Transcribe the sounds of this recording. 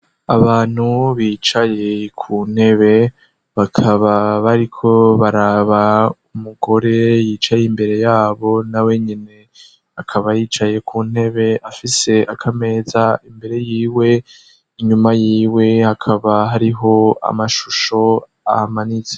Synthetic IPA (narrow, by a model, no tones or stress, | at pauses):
aβaːn̥huβiːt͡ʃaje̞kʰuːn̥he̞βe̞ | βakʰaβaβaɾikʰo̞βaɾaβaumuɡo̞ɾe̞jiːt͡ʃajimbe̞ɾe̞jaːβo̞nawe̞ɲine̞ | akʰaβajiːt͡ʃaje̞kʰuːn̥he̞βe̞ʔafise̞akʰame̞ːzaimbe̞ɾe̞jiːwe̞ | iɲumajiːwe̞hakʰaβaɦaɾiɦo̞a̰maʃuʃo̞ | a̰hamanize